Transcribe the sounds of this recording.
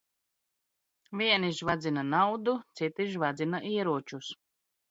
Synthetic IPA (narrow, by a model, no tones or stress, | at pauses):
vʲiɛniʒvad̪zinanawd̪ut̪sit̪iʃvad̪zʲinaʔiɛɾuɔt͡ʃus